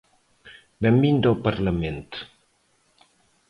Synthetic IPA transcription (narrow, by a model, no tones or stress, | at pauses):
bɛmbind̪awpaɾlamẽnt̪